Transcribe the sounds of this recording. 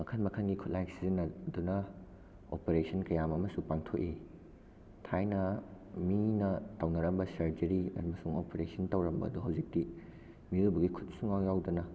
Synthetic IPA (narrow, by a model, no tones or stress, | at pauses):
mɐkʰɐnmɐkʰɐnɡikʰut̚lajksizɐnɐdunɐ | o̰peɾesʰɐnkɐjamɐmɐsupaŋtʰoʔi | tʰajnɐ | minɐtɐwnɐɾɐmbɐsɐɾd͡ʒɐɾiɐ̰ɾmɐsuŋopeɾesʰɐntɐwɾɐmbɐ̰ɐ̰duɦɐwzik̚ti | miubɐɡikʰut̚suŋawjawdɐnɐ